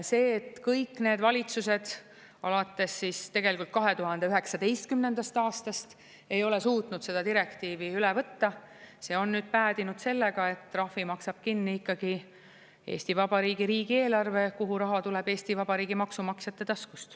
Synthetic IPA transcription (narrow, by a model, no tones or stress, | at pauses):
se̞ːt̪kɤjkːˑne̞ːd̪vɑlʲit̪suse̞d̪̥ | ɑ̰lɑt̪ːˑe̞sːist̪e̞ɡ̥e̞likult̪̚kɑɦe̞t̪uɦɑnd̪eyɦe̞ksɑd̪e̞jst̪kymne̞nd̪̥ɑst̪ɑːst̪ɑst̪ | e̞jo̞le̞suːt̪nud̪̥se̞d̪ɑd̪iɾe̞kt̪iːviylevɤt̪ːɑ | se̞ːo̞nːyːd̪̥̚pæːd̪inud̪̥se̞lːe̞ɡ̥ɑe̞t̪ːrɑhvimɑksɑb̥̚kinːiikːɑɡ̥i | e̞̰ːst̪ivɑb̥ɑɾiːɡ̥iɾiːɡ̥ie̞ːlɑrve̞kuɦuɾɑɦɑt̪ule̞b̥e̞ːst̪ivɑbɑɾiːɡimɑksumɑksjɑt̪ːˑe̞t̪ɑskust̪